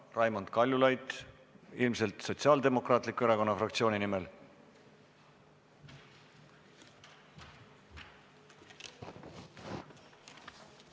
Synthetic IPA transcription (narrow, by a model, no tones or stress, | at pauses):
rɑjmond̪̥kɑlʲjulɑjd̪ | ilmse̞lt̪so̞t̪siɑːld̪e̞mo̞krɑːt̪ˑlikːueɾɑko̞nːɑfrɑkt̪sio̞ːninimel